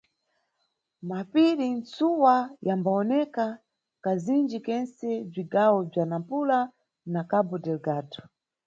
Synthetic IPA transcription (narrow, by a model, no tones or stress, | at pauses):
mapilint͡suwajambaɔnɛka | kazind͡ʒikɛnsɛb͡ʐiɡawɔb͡ʐanampula | nakabɔdɛlɡaːtɔ̥